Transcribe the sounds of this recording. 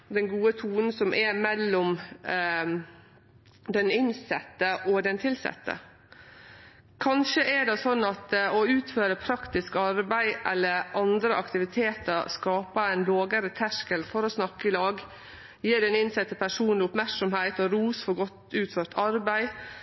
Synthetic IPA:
d̪ɛnɡuːət̪ʰuːnn̩sɔmʔɛmɛlːɔm | d̪ɛnɪnsɛ̰t̪ːəʔɔd̪ɛnt̪ʰɪlsɛ̰t̪ːə̰ | kʰɑnʃəʔɛɖɛsɔnːɑt̪ɔʉːt̪føːɾəpʰɾɑkt̪ɪskɑɾbæɪʔɛlːəɾʔɑnd̪ɾəʔɑkt̪ɪʋɪt̪ʰeːt̪əɾskɑːpəæɪnloːɡəɾət̪ʰæʂkəlfɔɾɔsnɑkːəɪlɑːɡ | jiːɖɛnɪnsɛt̪ːəpʰæʂuːnnlɪʊpmæɾksɔmhæɪt̪ɔɾuːsfɔɡɔt̪ʉːt̪føːɾt̪ɑɾbæɪ

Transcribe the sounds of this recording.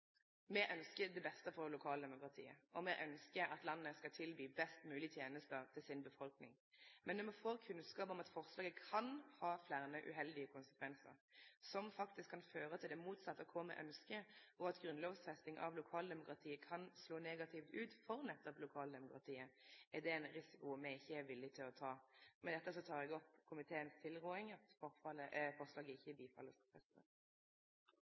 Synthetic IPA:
mɛʔœnskəd̪ɛbɛst̪əfɔʁlʊkʰɑːld̪ɛmʊkɾɑt̪ʰḭːə̰ʔɔmɛʔœnskəɑt̪lɑnːəskɑlt̪ʰɪlbyːbɛst̪mʉːlɪt̪ʰjeːnəst̪ət̪ʰɪlsɪnbəfɔlknɪ̰ŋ | mɛnnɔmɛfoːkʰʉnskɑːpɔmɑt̪fɔʁslɑːɡəkʰɑnhɑːflæʁnəʔʉ̰ɦɛld̪ɪəkʰʊnsə̥kʰʋɛnsə̰ʁsɔmfɑkt̪ɪskʰːɑnføːʁət̪ʰɪld̪ɛmuːt̪sɑt̪ːəkʰɔmə̰ʔœ̰nskəʔɔɑt̪ɡʁʉnloːʋsfɛst̪ɪŋʔɑ̰ʋlʊkʰɑːld̪ɛmʊkɾɑt̪ʰiːəkʰɑnsloːneːɡɑt̪ʰɪft̪ʉːt̪fɔʁnɛt̪ːɔplʊkʰɑːld̪ɛmʊkɾɑt̪ʰiːəʔɛʁd̪ɛɛnʁɪsɪkʊmɛɡɪçːəæʋɪlːɪt̪ʰɪlɔt̪ʰɑːmɛnd̪ɛt̪ːəs̬ɔt̪ʰɑːɾɛɡɔpkʰʊmɪt̪ʰeːənst̪ʰɪlʁuːɪŋɑt̪fɔɾfɑləfɔʁslɑːɡəɪçːəɪbiːfɑ̰lːəsfʰɛst̪ə̰

